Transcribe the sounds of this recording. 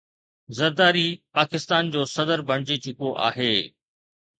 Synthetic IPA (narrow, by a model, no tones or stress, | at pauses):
zɐɾd̪aːɾipaːkɪst̪aːnd͡ʑoːsɐd̪əɾbʱɐɽ̃d͡ʑit͡ɕɪkoʔa̰ːɦeː